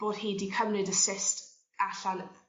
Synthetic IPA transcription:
b̥oːd̥heːdikʰəmnɪdəsɪst | aɬan

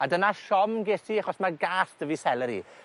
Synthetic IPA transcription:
adənaʃɔmɡeːsiaχɔsmaɡaːsd̥əvisɛlˠɛɾḭ

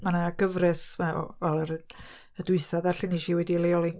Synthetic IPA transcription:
manaɡəvrɛsma̰vɛlˠəɾə | ədʊɨθaðaɬɪniʃiwɛdilejɔlˠɪn

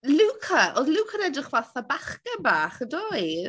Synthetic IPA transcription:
luːkʰəʔɔðlˠuːkʰənɛdrɪχvaθabaχkəbaːχədɔj

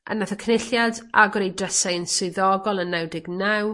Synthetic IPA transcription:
ʔə̰nːaθəkʰnɪɬjada̰ɡɔɾejdrəsajənsʊɨðɔɡɔlˠənːawdɪɡnaw

